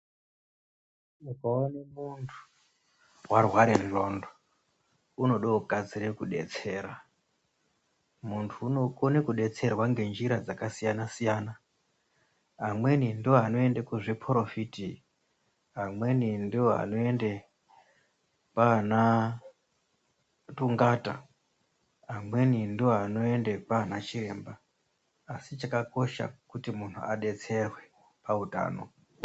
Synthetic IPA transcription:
mukaonemuntʰu̥ | warwaɾerro̞ndo | uno̞ɗouɡʱad͡ziɾekuɗe̞̰t͡se̞ːɾa | muntʰuːno̞konekuɗe̞t͡se̞rwaŋɡe̞nd͡ʒiɾad͡zakasijanasijana | ɦamwe̞nindioɦano̞endekuʐepʰoɾo̞fiti | ɦamwe̞nindioɦa̰no̞e̞nde | pana | tuŋɡata̰ | ɦamwe̞nindioɦano̞e̞nde̞paanat͡ʃiɾe̞ːmbaː | sit͡ʃakako̞ʃa̰kutimun̤ʰṵaɗe̞t͡se̞rwe̞ | pauta̰ːno̞̰

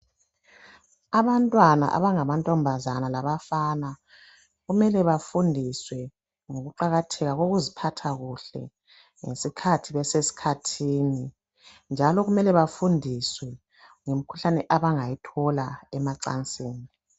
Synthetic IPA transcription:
aβantʼwana̰ʔa̰βaŋaβantʼɔmbʱazanalaβafana | ɣumɛlɛβafundʱiswɛ | ŋoɣuǃaɣatʰɛɣaɣoɣuzipʰatʰaɣuɬɛ̰ | ŋḛsikʰatʰiβɛsesi̥kʰatʰiːni | nd͡ʒʱalɔɣumɛlɛβafundʱiswɛ | ŋem̩kʰu̥ɬanɛʔaβaŋajitʰɔlaɛmaǀa̰nt͡sʼeːni

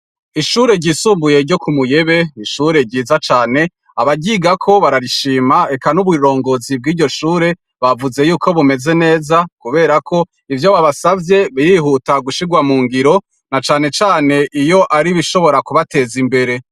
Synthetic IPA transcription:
iʃuːɾe̞ɾɟiːsuːmbuje̞ɾɟo̞kumuje̞βe̞iʃuɾe̞ɾɟiːzat͡ʃaːne̞ | aβaɟiːɡakʰo̞βaɾaɾiʃiːmae̞kanuβiɾo̞ːŋɡo̞zib̚ɡiːɟo̞ʃuːɾe̞ | βavuze̞juːko̞βume̞ze̞ne̞ːzakuβe̞ːɾakʰo̞ | ivjoβaβasavje̞βijiɦutaɡuʃiɡwamuːŋɡiɾo̞ | nat͡ʃaːne̞t͡ʃaːne̞ʔijo̞ʔaɾiβiʃo̞βo̞ɾakuβate̞zimbe̞ɾe̞

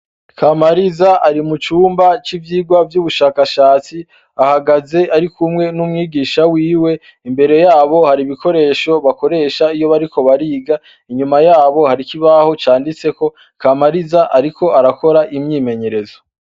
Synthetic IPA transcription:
kamaɾizaʔaɾimut͡ʃuːmbat͡ʃivjiːɡwavjuːβuʃaːkaʃaːt͡si | ahaɡaze̞ʔaɾikumŋe̞numŋiːɡiːʃawiːwe̞ | imbe̞ɾe̞jaːβo̞haɾiβiko̞ɾe̞ːʃo̞βako̞ɾe̞ːʃaijo̞βaɾiko̞βaɾiːɡa | iɲumajaːβo̞haɾikiβaho̞t͡ʃaːndit͡se̞ko̞ | kamaɾizaʔaɾikʰo̞ʔaɾako̞ɾaʔimɲiːme̞ɲe̞ɾe̞zo

